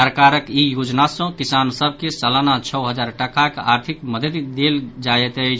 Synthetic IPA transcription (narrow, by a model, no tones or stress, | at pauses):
əɾkaɾəkijod͡ʒnasɔ̃kisansəbʱkesəlanat͡ʃʰəwɦəd͡ʒaɾʈəkakaɾt̪ʰikməd̪ʱət̪id̪eld͡ʒajɛt̪əjt͡ʃʰ